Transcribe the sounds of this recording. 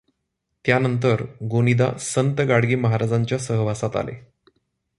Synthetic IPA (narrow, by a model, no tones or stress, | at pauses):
t̪janənt̪̬əɾɡonid̪a̰sənt̪əɡaɽɡiːməɦaɾad͡zaɲt͡ɕjasəɦʋʱasat̪a̰lḛ